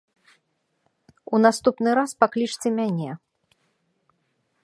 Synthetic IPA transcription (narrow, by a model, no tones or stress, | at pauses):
unast̪upnɨɾaspaklʲit͡ʂt͡sʲɛmʲanʲɛ